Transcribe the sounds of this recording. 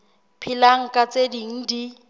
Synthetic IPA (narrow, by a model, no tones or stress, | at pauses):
pʰilaŋ̩kʼat͡sʼediŋ̩di